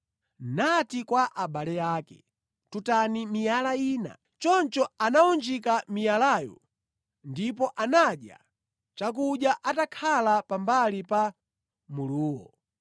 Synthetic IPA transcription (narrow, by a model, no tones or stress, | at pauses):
natikwaʔaɓalɛjaːkɛ̥̰ | tutanimijalaiːna̰ | t͡ʃɔnt͡ʃɔanaund͡ʒikamijalaːjɔ̰ | ndipɔʔanaɗja̰ | t͡ʃak̬uɗjaʔatakʰalapambalipa | muluːwɔ̰